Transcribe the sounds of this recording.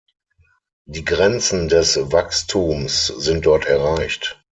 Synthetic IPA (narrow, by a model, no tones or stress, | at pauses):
d̥iːɡʁɛnt͡sn̩dɛsvakstʰuːmsz̥ɪnt̚d̥ɔɐtɛɐʁaɪçt